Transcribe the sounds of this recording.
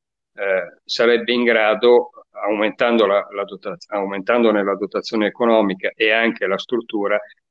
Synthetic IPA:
saɾɛbːeiŋɡɾaːd̪oawment̪and̪olalad̪ot̪aawment̪and̪onelad̪ot̪at̪sːjoːneːkonɔːmikaʔeaŋk̟elast̪ɾut̪ːuːɾa

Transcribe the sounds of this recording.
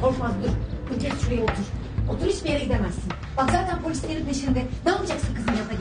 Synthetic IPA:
kʰoʃmazd̪uɾylʲcʰʲessyɾejɛot̪ʰuɾ̥ | ot̪uɾhit͡ʃbije̞ɾɛɟid̪emæsːin | bakzaːt̪ʰænpʰolʲisʲlʲeɾinʰeʃeɾind̪ɛnɛolˠad͡ʒaksɯnkʰɯzɯnjaa

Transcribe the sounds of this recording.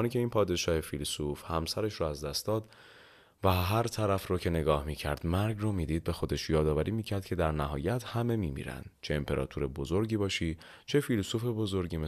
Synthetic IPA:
nicʲʰe̞iːnpʰɒːd̪e̞ʃɒːhefilsufhæmsæɾeʃɾɔæzd̪æst̪d̪ɒːd̪ | væɦæɾt̪ʰæɾæfrɔːcʰe̞ne̞ɡɒːhmiːcʰæɾd̪̥mæɾɡrɔːmiːd̪iːd̪̚be̞xo̞d̪e̞ʃjɒːd̪ɒːvæɾʔiːmiːcʰæɾd̪̚cʰe̞d̪æɾnæɦɒ̰ːjæt̪ʰhæme̞miːmḭːɾæ̰nd̪t͡ʃʰeempʰe̞ɾɒ̰ːt̪ʰuɾe̞bo̞zo̞ɾɟiːbɒːʃiː | t͡ʃʰe̞filsufe̞bo̞zo̞ɾɟiːme

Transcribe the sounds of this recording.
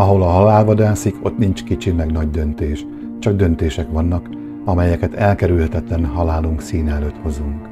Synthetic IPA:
ɒɦo̞lɒɦɒlaːlvɒd̪aːsikʰo̞t̪nint͡ʃkit͡ʃimɛɡnɒɟd̪ø̞nt̪eːʃ | t͡ʃɒɡ̚d̪ø̞nt̪eːʃɛkʋɒnːɒk | ɒmɛjɛkɛt̪ɛlkɛɾylhɛt̪ɛt̪lɛnɦɒlaːluŋksiːnɛløːt̪ho̞zuŋk

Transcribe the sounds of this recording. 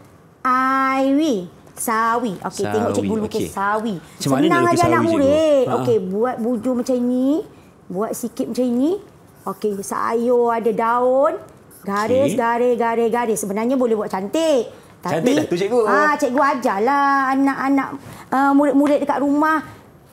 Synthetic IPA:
ʔajwi | sawiʔo̰ket̪ɛŋɔʔt͡ʃɛt̚ɡulukesawissəbənaŋad͡ʒaanaʔmuɾɪt̪̚okebuat̪̚bud͡ʒʊmat͡ʃamiɲi | buat̪̚sikɪt̪̚mat͡ʃamiɲi | okesa̰a̰joadadaon | ɡaɾesɡaɾɛsɡaɾɪsɡaɾɪssːəbənarɲabolɛhbuat̪̚t͡ʃant̪eʔ | t̪apiɡat͡ʃɛt̪̚ɡuad͡ʒalaanaʔanaʔəmuɾɪt̪̚muɾɪt̪̚dəkaʔ̪ɾumah

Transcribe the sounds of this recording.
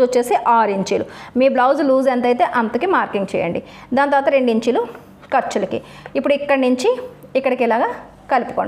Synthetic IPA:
ot͡ʃːeːseʔaːɾiɲt͡ʃiːlumiːblɐwd͡ʒluːzent̪ɐjt̪e̞ːʔɐnt̪ukimaːɾkiŋɡt͡ʃɛ̰ːjɐ̰ɳɖi | d̪aːnt̪ɐɾʋaːt̪ɐɾe̞ɳɖiɲt͡ʃilu | kɐɾt͡ʃulɐkḭipːuɽuikːɐɽnuɲt͡ʃiikːɐɽɐkilaːɡaː | kɐlipu̥koːɳɖ

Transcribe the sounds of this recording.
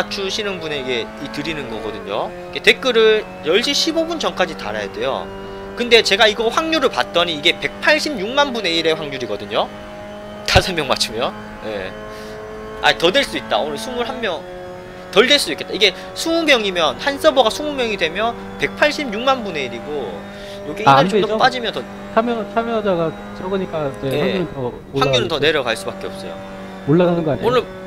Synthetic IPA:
at͡ɕʰuɕʰinɯnbune̞iɡe̞itɯɾinɯnɡʌɡʌdɯɲo | iɡe̞te̞k͈ɯɾɯɭ | jʌɭɕ͈ʰiɕʰibobunt͡ɕʌnk͈ad͡ʑita̰ɾa̰jade̞jo̰ | kɯnde̞t͡ɕe̞ɡaiɡʌɸwaŋɲuɾɯɭpat̚t͈ʌɲiːɡe̞pe̞k̚pʰaɭɕ͈ʰibɲuŋmanbune̞iɾe̞ɸwaŋɲuɾiɡʌdɯɲo | tasʰʌmjʌŋma̰t͡ɕʰɯmjʌ | je̞̰ | a̰itʌdeɭs͈duit̚t͈a̰onɯsʰumuɭhammjʌŋ | tʌɭde̞ɭs͈uduike̞t͈aiɡe̞ | sʰuŋumjʌŋimjʌnhans͈ʌbʌɡasʰuŋumjʌŋidwe̞mjʌn | pe̞k̚pʰaɭɕ͈ʰibjuŋmanbune̞iɾiɡo | jʌɡeat͡ɕ͈ʰop͈ad͡ʑimjʌntʌ | t͡ɕʰamjʌt͡ɕʰamjʌd͡ʑaɡa | t͡ɕʰʌɡɯɲik͈aneeuɾɯtʌ | waŋɲuɾɯntʌne̞ɾjʌɡaɭs͈ubak͈e̞ʌp̚s͈ʌjo̰ | oɭːaɣanɯnɡʌaɲonɯɭ

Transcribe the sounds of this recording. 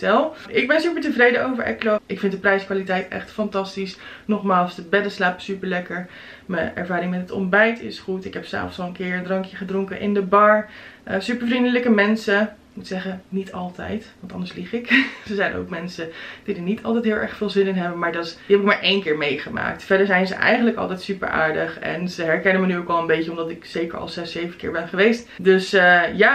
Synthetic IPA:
tɛlˠɪɡ̚bɛnsypəɹtəvrejdəowvəɹɛ̰ɹkloʔɪkfɪntdəprɛjskʋaːlitɛjtɛ̰χtfɑntɑstisnɔχmaːlˠsdəbɛdəslaːpəsypəɹlɛkəɹ | məɛ̰ɹvaːɾɪŋmɛtətɔ̰mbɛjtɪ̰sχutɪkɦɛpsa̰ːfsɑlˠənkɪːɹəndrɑŋkjəχədrʊŋkənʔɪ̰ndəbɑɹəsypəɹvrindələkəmɛnsəkmutsɛχənitʰɑlˠtɛ̰jtʋɑntɑ̰ndəɹsliχɪksəzɛjnʔo̰wkmɛnsəd̥idənitʰɑlˠtɛjt̚ɦɪːlˠʔɛ̰ɹχfɪːlˠzɪnɪnɦɛbəmaːɹdɑd̥iɦɛpɪkmaːɹʔejnkɪːɹmejχəma̰ːk̚tfɛɹdəɹzɛjnzə̰ʔɛ̰jχəntləkɑ̰lˠtɛjtsypə̰ɹa̰ːɹdəχɛ̰nzəɦɛɹkɛnənmənyowkʋɛlˠə̃nmbejcəɔmdɑtɪksejkə̰ɹɑ̰lˠzɛsejvənkɪ̰ːɹbɛnχəʋejstdøsəjaː

